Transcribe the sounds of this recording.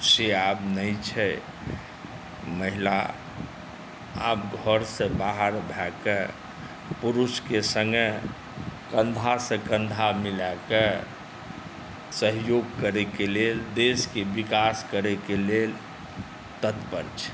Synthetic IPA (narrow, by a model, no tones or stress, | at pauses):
seabnəit͡ʃʰɛ | məɦila̰ | a̰bɡʱəɾsẽbaɦəɾbʱɛkə | puɾuskesəŋɡə | kə̃nd̪ʱasə̃kə̃nd̪ʱamilake | səɦjoɡkəɾekeleld̪eskebikaskəɾekelel | t̪ət̪pə̰ɾt͡ʃʰ